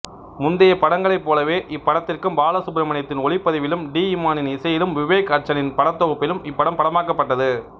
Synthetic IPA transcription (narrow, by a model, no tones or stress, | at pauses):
mʊnd̪ɪjɐpɐɽɐŋɡɐɭɐɪpːoːlɐʋeːʔɪpːɐɽɐt̪ːɪrkɯmbaːlɐsʊbɪɾɐmɐnɐt̪ːɪnɔɭɪpːɐðɪʋɪlɯmɖiːɪmaːnɪnɪsɐjɪlɯmʋɪʋeːkɐʈ̚t͡ʃːɐnɪnpɐɽɐt̪ːɔɣɯpːɪlɯmɪpːɐɽɐmpɐɽɐmaːkɐpːɐʈːɐðɯ